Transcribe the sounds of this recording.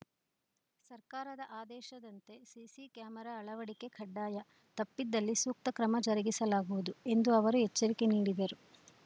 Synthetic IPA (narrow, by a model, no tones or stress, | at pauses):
sɐɾkaːɾɐd̪ɐʔaːd̪ɛːʃɐd̪ɐnt̪e̞sisikjaːmɐɾaːɭɐʋɐɽike̞kʰɐɖːaːjɐ | t̪ɐpːid̪ːɐlːisuːk̚t̪ɐkɾɐmɐd͡ʒɐɾɐɡisɐlaːɡuʋud̪ue̞nd̪uɐʋɐɾuɦɛt͡ʃːɐɾike̞niːɽid̪ɐɾu